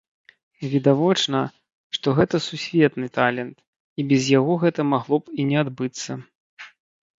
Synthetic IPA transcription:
vʲid̪avɔt͡ʂnɐ | ʂt̪ɔɣɛt̪ɐsusʲvʲɛt̪nɨt̪alʲɛnt̪ | ibʲɛzjaɣɔɣɛt̪ɐmaɣlˠɔpinʲɛad̪bɨt̪sːɐ

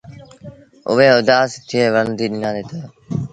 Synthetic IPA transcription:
ʊ̰ʋeːʊd̪aːst̪ʰɪeːʋənd̪iːɗɪnãːeːt̪aː

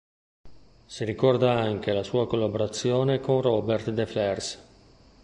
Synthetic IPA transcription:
siɾikɔrd̪aaŋk̟elasuːakolːaboɾat̪sːjoːnekoŋrɔbert̪d̪eflɛrs

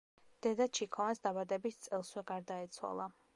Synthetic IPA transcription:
d̪̥ɛd̪at͡ʃʰikʰɔvansd̪abad̪ɛbist̪sʼɛlˠswɛɡaɾd̪aɛt̪sʰwa̰lˠa

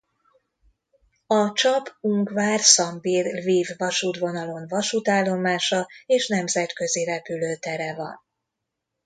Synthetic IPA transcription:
ɒt͡ʃɒbuŋkvaːrsɒmbirviːvːɒʃuːt̪vo̞nɒlo̞nvɒʃut̪aːlːo̞maːʃɒeːʃnɛmzɛt̪kø̞ziɾɛpyløːt̪ɛɾɛvɒ̰n

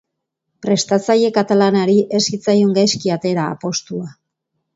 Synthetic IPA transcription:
pɾe̞st̪at͡saje̞kat̪alanaɾiʔe̞sit͡sajuŋɡajskiat̪e̞ɾa̰ːpo̞st̪ua

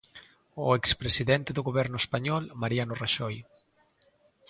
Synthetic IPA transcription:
oekspɾesiðɛnt̪eðuɣoβɛɾnʊespaɲɔlmaɾianoraʃɔj

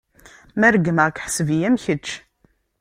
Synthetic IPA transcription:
mæɾɡməʁkħəsvijæmçət͡ʃː

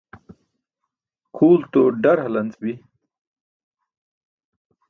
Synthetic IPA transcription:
kʰuːlt̪oɖɐɾɦɐlɐnt͡sbi

